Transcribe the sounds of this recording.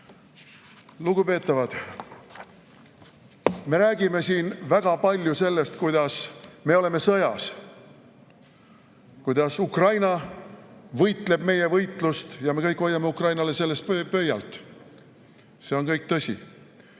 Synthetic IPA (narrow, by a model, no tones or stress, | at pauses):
luɡ̥upe̞ːt̪ːˑɑvɑd̪̥ | me̞ɾæːɡ̥ime̞siːnvæɡ̥ɑpɑlʲjuse̞lːe̞st̪kujd̪̥ɑsme̞o̞le̞me̞sɤjɑ̰s | kujd̪ɑsukrɑjnɑ | vɤjt̪ˑle̞b̥̚me̞je̞vɤjt̪ˑlust̪jɑme̞kɤjkːˑo̞jːɑme̞ukrɑjnɑle̞se̞lːe̞st̪pøpø̞jɑ̰lt̪ːˑ | se̞o̞nkɤjk̚t̪ɤsʲḭ